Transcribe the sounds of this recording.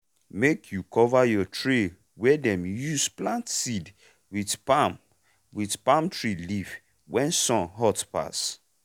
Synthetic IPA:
mekʰjukʰɔvajɔtʰɹe | wɛdɛ̃mjusplãntsid | widpam | widpãmtɹiliv | wɛ̃nsɔ̃nɦɔtpa̰s

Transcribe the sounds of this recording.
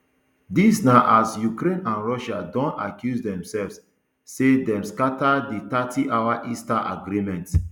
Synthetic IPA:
disnaʔasjukɾẽnãnɹɔʃadɔ̃na̰kjusdɛ̃msɛlvsː | edɛ̃mskatadit̪atʰiʔawaʔistaʔa̰ɡɾimɛ̃nt

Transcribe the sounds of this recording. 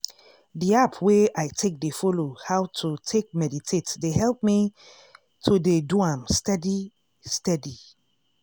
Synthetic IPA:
diapʰweaɪtʰek̚defolohawtʰutʰek̚mɛditʰetdeɦɛlp̚mi | tʰodeduãmstɛdi | stɛdi

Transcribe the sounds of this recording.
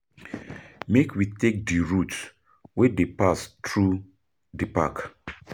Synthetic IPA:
mekwitek̚diɹut | wedepastɹu | dipa̰k

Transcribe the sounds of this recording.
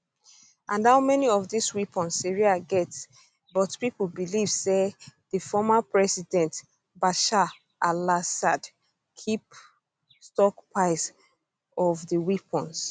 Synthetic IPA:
ʔãnhaʊmɛniɔvðiswipʰɔ̃nsiɹiaɡɛt | bɔtpipl̩biliv̥seðəfɔmapɹɛsidɛ̃nt | baʃa | ʔalasad | kʰip | stɔkpʰaɪs | ɔvðəwipʰɔ̃ns

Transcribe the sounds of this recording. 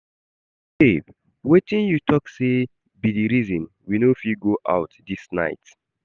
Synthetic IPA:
sev | wetĩnjutʰɔkse | bidiɹizɔ̃n | winofiɡoʔa̰ʊtdisna̰ɪt

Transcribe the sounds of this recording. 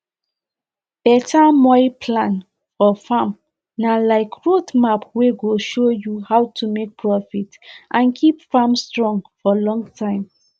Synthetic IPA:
b̥ɛtʰamɔɪpʰlãn | fɔfam | nalaɪkɹotmapweɡoʃojuhawtʰumek̚pʰɹɔfitʔãnkʰipfamstɹɔ̃ŋfɔlɔ̃ŋtʰãɪ̃m

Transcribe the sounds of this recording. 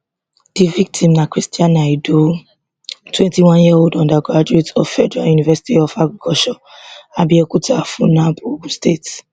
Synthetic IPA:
d̥ivik̚tʰĩmnakɾistiãnaido | twɛ̃ntiwãnjiahodɔ̃ndaɡɾad͡ʒuetɔfɛdɾajunivɛsi̥tiɔfaɡɾikɔʃɔ̃abiekutʰafũnãbuɡustet

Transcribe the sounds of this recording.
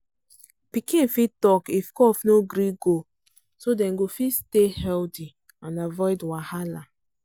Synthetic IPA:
pikĩfitɔkifkɔfnoɡɾiɡo | sodɛ̃nɡofistehɛlti | ãnavɔjdwahala

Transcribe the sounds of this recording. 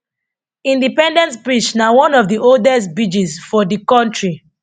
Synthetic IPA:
ĩndipɛ̃ndɛ̃ntbɹit͡ʃnawɔ̃nɔvðiʔoldɛstbid͡ʒisfɔdikɔ̃ntɹi

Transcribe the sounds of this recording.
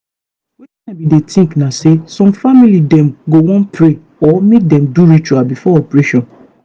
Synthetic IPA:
wɛtinabidetĩŋknãsesɔ̃mfamilidɛ̃mɡowɔ̃npʰɾe | ɔmedɛ̃mduɾit͡ʃuabifɔɔpɾeʃɔ̃n

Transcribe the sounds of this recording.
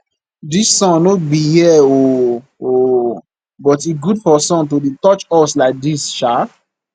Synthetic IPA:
disːɔ̃nnobihiɛo | o | bɔtiɡudfɔsɔ̃nt̬odetɔt͡ʃɔslaɪk̚disʃa

